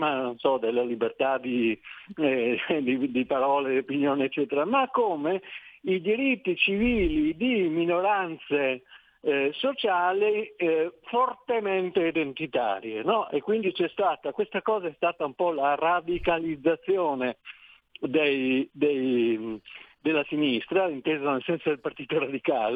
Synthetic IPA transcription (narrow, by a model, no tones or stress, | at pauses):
manonsɔd̪elːalibert̪ad̪i | d̪id̪ipaɾɔːleopinjoːneːt͡ʃːɛːt̪eɾamakːomeid̪iɾit̪ːit͡ʃiviːlid̪iminoɾant̪se | sot͡ʃaːli | fort̪ement̪eid̪ent̪it̪a̰ːɾjḛnɔʔekːwind̪it͡ʃɛst̪aːt̪akwest̪akɔːzaɛst̪aːt̪aumpɔlarad̪ikalid̪zːat̪sːjoːne | d̪ejd̪ej | d̪elːasinist̪ɾaint̪eːzanelsɛnsod̪elpart̪iːt̪oɾad̪ikaːle